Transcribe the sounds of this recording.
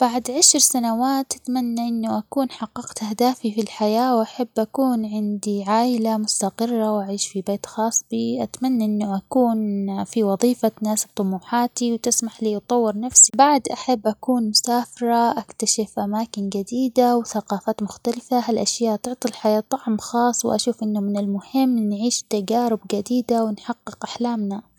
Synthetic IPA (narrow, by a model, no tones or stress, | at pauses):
b̥aʕd̪ʕaʃɾsanawaːt̪ʔat̪manːaʔɪnːʊʔakuːnħɑqːɑqt̪ʔahd̪aːfifilħajaːwʔaħabːʔakuːnʕɪnd̪iʕaːʔɪlamʊst̪aqɨrˤːawʔaʕiːʃfibeːt̪xɑːsˤbiʔat̪manːaʔɪnːʊʔakuːnfiwɑðˤiːfanaːsb̚t̪ˤʊmuːħaːt̪iwt̪ɪsmaħliːʔt̪ˤɑwːɪɾnafsibaʕd̪ʔaħabːʔakuːnmʊsaːfɪɾˤɑʔakt̪aʃɪfʔamaːkɪnɡad̪iːd̪awθaqɑːfaːt̪mʊxt̪alfaɦalʔaʃjaːʔt̪ɪʕt̪ˤilħajaːt̪ˤːɑʕmxɑːsˤːwʔa̰ʃuːfʔɪnːʊmɪnɪlmʊhɪmːnʕiːʃt̪ad͡ʒaːɾɪbɡad̪iːd̪awɪnħɑqːɪqʔaħlaːmna